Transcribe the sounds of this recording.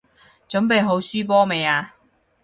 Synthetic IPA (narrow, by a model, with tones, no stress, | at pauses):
t͡sɵ˨˥npe˨˧jɦo˨˥wsyː˥p̬ɔː˥me˨jaː˧